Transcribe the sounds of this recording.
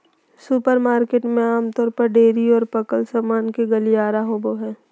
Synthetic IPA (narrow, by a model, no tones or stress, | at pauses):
supəɾmaːɾkeːʈmẽaːmt̪ɔːɾpɐɾɖeːɾiɔːɾpɐkəlsaːmaːnkeɡɐlijaːɾaɦoːboɦɛː